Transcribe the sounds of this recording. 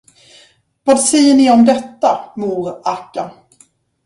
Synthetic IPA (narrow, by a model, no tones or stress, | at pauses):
vɑːd̪sɛjːəɳɪɔmd̪ɛt̪ːamuːɾakːa